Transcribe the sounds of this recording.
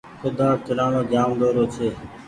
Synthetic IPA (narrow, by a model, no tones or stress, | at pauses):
kʊd̪aːt͡ʃəɽãːnõːd͡ʒaːmd̪oːɾoːt͡ʃʰeː